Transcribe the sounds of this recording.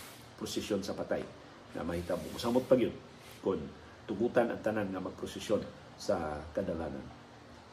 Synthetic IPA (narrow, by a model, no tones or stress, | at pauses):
pɾʊsɪsjonsɐpat̪aj | ŋa̰mahit̪amʊ̰mʊsamʊt̪̚paɡɪʊd̪̚ | kʊn | t̪ʊɡuːt̪anɐ̰ŋt̪ananŋamaɡ̚pɾʊsɪsjon | sakad̪alaːna̰n